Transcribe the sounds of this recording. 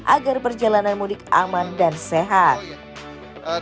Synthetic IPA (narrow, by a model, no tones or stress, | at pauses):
ʔaɡarpərd͡ʒalananmunɪk̚a̰mandanseɦat̪̚